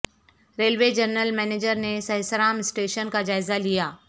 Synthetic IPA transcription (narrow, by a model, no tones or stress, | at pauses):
ɾeːlʋed͡ʒɐɾnəlmɛːneːd͡ʒəɾnesɐɦsəɾaːmɪsʈeːʃənkad͡ʒaːɪzalijaː